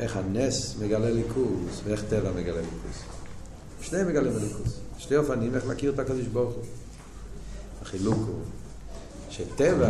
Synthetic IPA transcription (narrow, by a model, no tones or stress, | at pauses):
ʔeχhanesməɡalelikʰusveeχt̪evaməɡalelikʰṵs | ʃnejmeɡalimbelikusʃteofanimeχlakiʁt̪akod̪iʃboʁχu | haχilukṵ | ʃeteva